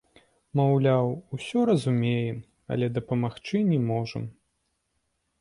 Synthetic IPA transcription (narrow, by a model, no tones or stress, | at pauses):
mawlʲawusʲɔɾɐzumʲejɛm | ɐ̰lʲɛd̪ɐpɐmaxt͡ʂɨnʲɛmɔʐɐ̰m